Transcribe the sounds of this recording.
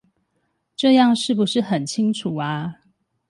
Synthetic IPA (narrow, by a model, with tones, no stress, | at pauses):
ʈ͡ʂɤ˥˧jɑ˥˨ŋʂɻ̩˥˩pu˨˦ʂɻ̩˥˩xə˨˩nt͡ɕʰi˦˥ŋʈ͡ʂʰu˨˩a˦